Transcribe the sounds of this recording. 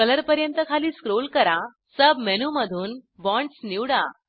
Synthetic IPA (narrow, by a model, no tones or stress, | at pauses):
kələɾpəɾjənt̪əkʰaliːskɾolkəɾã | səbmenuməd̪ʱuːnbɔ̃ɳʈsniwɽa̰